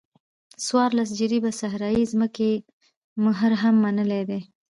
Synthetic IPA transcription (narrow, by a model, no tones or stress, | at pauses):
swɑɾlas̬d͡ʒəɾibasaɦɾɑjizməke | mʊɦəɾɦamːanəled̪e